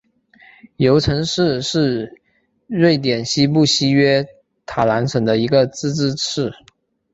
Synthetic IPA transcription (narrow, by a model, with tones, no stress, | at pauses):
jo˧˥ʊʈ͡ʂʰɤ˧˥ŋʂɻ̩˥˧ʂɻ̩˥˧ | ɻe˥˩ɪt̪̬jɛ˨˩nɕi˥pu˥˩ɕi˥ɥɛ˥ | t̪ʰa˨˩la˧˥nʂɤ˨˩ŋd̪ə˦i˧˥ɡə˧t͡sɹ̩˥˧ʈ͡ʂɻ̩˥ʈ͡ʂʰɻ̩˥˩